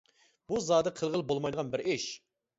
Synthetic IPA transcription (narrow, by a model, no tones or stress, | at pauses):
b̥uzɑːd̪ɨqʰəlˠʁəlˠbolˠmɑjd̪əʁɑnbɪɾɪʃ